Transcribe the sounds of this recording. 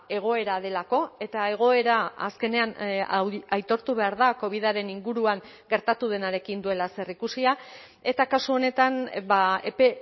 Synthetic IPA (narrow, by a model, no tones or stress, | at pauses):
e̞ɣ̞o̞e̞ɾað̞e̞lako̞e̞t̪ae̞ɣ̞o̞e̞ɾaa̰ske̞ne̞an | ajt̪o̞ɾt̪uβe̞aɾðako̞β̞iðaɾe̞niŋɡuɾuaŋ | ɡe̞ɾt̪at̪uð̞e̞naɾe̞kind̪ue̞lase̞rikusia | e̞t̪akasuo̞ne̞t̪anbaepe